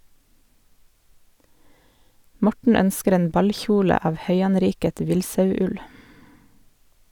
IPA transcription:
ˈmɔʈɳ̩ ˈœnskəɾ ˈeːn ˈbɑlˌçuːlə ˈɑːʋ ˈhœʏɑnˌɾiːkət ˈʋɪlsɑʉˌʉl

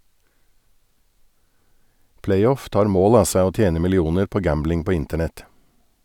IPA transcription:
ˈplæɪˌɔf ˈtɑːɾ ˈmoːl ˈɑː ˈsæɪ ˈoː ˈtjeːnə mɪlɪˈuːnəɾ ˈpoː ˈɡæmblɪŋ ˈpoː ˈɪntəɳɛt

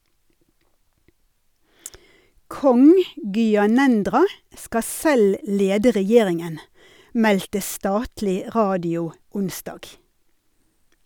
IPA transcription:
ˈkɔŋ ˌɡyːɑˈnɛndʁɑ ˈskɑ ˈsɛl ˈleːdə ʁɛˈjeːʁɪŋən ˈmɛltə ˈstɑːtlɪ ˈʁɑːdɪʊ ˈʊnsdɑːɡ

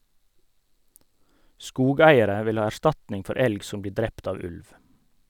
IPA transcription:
ˈskuːˌɡæɪəɾə ˈʋɪl ˈhɑː æˈʃtɑtnɪŋ ˈfɔɾ ˈɛlɡ ˈsʊm ˈbliː ˈdɾɛpt ˈɑː ˈʉlʋ

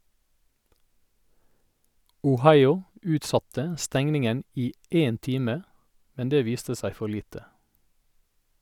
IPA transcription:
ʊˈhɑɪʊ ˈʉːtˌsɑtə ˈstɛŋnɪŋən ˈiː ˈeːn ˈtiːmə ˈmɛn ˈdeː ˈʋiːstə ˈsæɪ ˈfɔɾ ˈliːtə

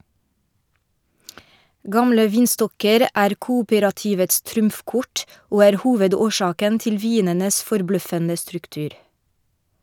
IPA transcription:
ˈɡɑmlə ˈʋiːnˌstɔkəɾ ˈʔæːɾ ˈkuːuːpəɾɑtɪʋəts ˈtɾʊmfˌkʊʈ ˈoː ˈæːɾ ˈhuːʋədoːˌʃɑːkən ˈtɪl ˈʋiːnənəs fɔɾˈblœfənə stɾʉkˈtʉːɾ

